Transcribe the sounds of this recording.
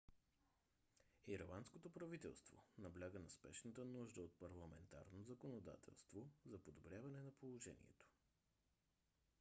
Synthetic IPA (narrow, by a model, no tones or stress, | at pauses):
iɾlˠanskot̪opɾɐvit̪ɛ̰lˠst̪vo̰nɐblʲaɡənɐspɛ̰ʃnət̪ənuʒd̪əot̪̚pɐɾlˠɐmɛnt̪a̰ɾnozɐkonod̪a̰t̪ʰɛ̰lˠst̪vozɐpod̪obɾʲjavɐnɛnɐpolˠoʒɛ̰nḭɛ̰t̪o̥